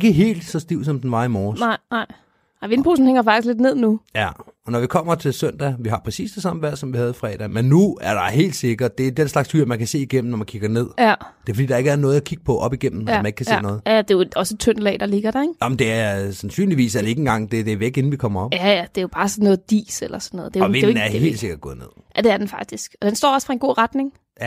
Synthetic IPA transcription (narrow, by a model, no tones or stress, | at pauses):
e̝ɡ̥əɦe̝̰ːld̥sɒ̽sd̥iʊ̰sɒ̽md̥enʋɑ̈imɒːɑɪ̰ɑɪ̰ | ʋe̝npʰoːsn̩heŋ̰ɐfɑ̈ɡ̥d̥isɡ̥le̝d̥ne̝ð̞̰ˠnujæ | ɒ̽nɒʋikʰɒ̽m̰ɐt͡sʰe̝lsœn̰d̥æʋiɦɑ̈pʰʁɛsḭːsd̥esɑ̈məʋæɐ̰̥sɒ̽mʋihæð̞̩ˠifʁɛ̰ːd̥ɛmenːuæɐɾ̥ɑ̈ɦe̝̰ːld̥se̝ɡ̥ɐd̥̚d̥e̝æd̥enslɑ̈ɡ̥shyɐ̰mænkʰæse̝̰ːiɡ̥em̰m̩nɒmænkʰiɡ̥ɐne̝ð̰ˠd̥eɐfɒ̥ḭːd̥ɑ̈e̝ɡ̥əɐnɔ̽ːð̞̩ˠækʰiɡ̥ə̥pʰɒ̽ʔɒ̽b̥iɡ̥em̰m̩ææneɡ̥kʰæsḛːnɔ̽ːð̞̩ˠd̥e̝jo̥ɒ̽səet͡sʰœn̰lɛ̰ːd̥ɑ̈le̝ɡ̥ɐɾ̥ɑ̈eɡ̥jɑmn̩d̥e̝æɐsænsy̰ːnliʋḭːsæɐd̥ee̝ɡ̥əenɡɑ̈ŋ̰d̥e̝d̥eʋie̝ɡ̥e̝n̩ʋikʰɒ̽m̰ɐɒ̽b̥jæjæd̥e̝job̥ɑ̈ːsɒ̽nːɔ̽ːð̩ˠd̥ḭːselɐsɒn̥ːɔðˠd̥eʋen̩æɐhe̝̰ːld̥se̝ɡ̥ɐd̥̚ɡ̥ɔ̽ːð̩ˠne̝ð̰jæd̥e̝æɐd̥enfɑ̈ɡ̥̚d̥isɡ̥ɒ̽d̥ensd̥ɒ̰ːɒ̽sfʁɑ̈e̝nɡo̝̰ːʁad̥ne̝ŋ | jæ